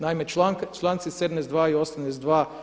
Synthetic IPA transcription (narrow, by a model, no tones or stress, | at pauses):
naimeaŋkt͡ʃlˠaːnt̪sised̪mnezd̪ʋaːiosamnesd̪ʋaː